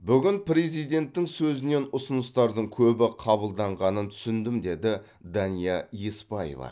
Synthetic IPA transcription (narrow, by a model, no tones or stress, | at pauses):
bʏɡʲɪnpɾe̞zijd̪e̞nt̪ːɪŋsɵzɪne̞nʊsʊnəst̪ɑɾd̪əɴkʲʰɵbɪqʰɑbəlˠd̪ɑɴʁɑnənt̪ʰʏ̥sɪnd̪ɪmd̪e̞d̪ɪ | d̪ɑnijɑjespɑjḛvɑ̰